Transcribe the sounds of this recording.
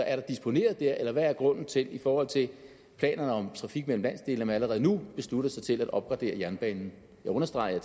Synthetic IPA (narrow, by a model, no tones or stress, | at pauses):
ɒ̽ʔæɐɾ̥ɑ̈d̥isb̥o̝ne̝̰ːɐð̞̩ˠd̥æɐʔelɐʋææɐɡ̥ʁɔ̽n̰n̩t͡sʰe̝lifɒːhɒ̽l̰t͡sʰe̝ | pʰlɛ̰ːnɐnəɒ̽mt͡sʰʁɑ̈fiɡ̥̚mel̰m̩læn̰sd̥e̝̰ːlnəmænæləʁɛðˠnub̥e̝sluɾ̥ɐsɑ̈ɪt͡sʰe̝læd̥ɒ̽b̥̚ɡ̥ʁɑ̈d̥e̝̰ːɐjæɐnb̥ɛ̰ːnn̩ | jɑ̈ɪɔ̽nɐsd̥ʁɑ̈ɪɐɐ